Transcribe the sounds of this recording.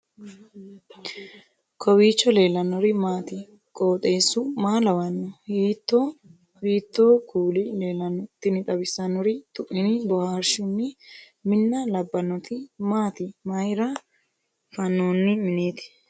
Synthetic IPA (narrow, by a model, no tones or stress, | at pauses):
kʰɔbiːt͡ʃːɔle̞ːlɐnɔɾɪmaːt̪ɪ | kʼoːt̪ʼe̞ːsʊmaːlɐwɐnːɔhiːt̪ːo | iːt̪ːoːkʰuːlɪle̞ːlɐnɔt̪ːɪnɪt̪ʼɐbɪsɐnɔɾɪt̪ʼʊʔːɪnɪbɔhaːɾʃʊnːɪ | mɪnːɐlɐbːɐnɔt̪ɪmaːt̪ɪmɐjɾɐ | fɐnːoːnːɪmɪne̞ːt̪ɪ̥